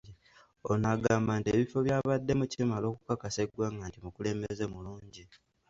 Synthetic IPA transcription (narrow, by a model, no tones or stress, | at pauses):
i | onaɡaːmbantie̞βifo̞βjaːβadːe̞mucimalo̞ːkukakase̞ɡwaːŋɡantimukule̞ːmbeze̞muluːɲɟi